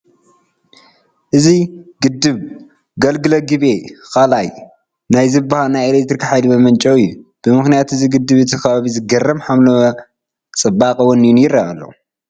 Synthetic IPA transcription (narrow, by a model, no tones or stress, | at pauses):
ʔɨziɡɨd̪ːɨβ | ɡɐlɡɨlɐɡɨβekʰalaj | najzɨbːahalnajelek̚t̪ɾikʰiħajlibɐmɐnt͡ʃʼɐwɨjːub̥ɨmɨxnijat̪ɨziɡɨd̪ːɨβɨt̪ʰikʰɐβaβizɨɡɐrɐmħamlɐ | t͡sʼɨbːakʼɐwɔnjunjɪraa̰lːɐ̰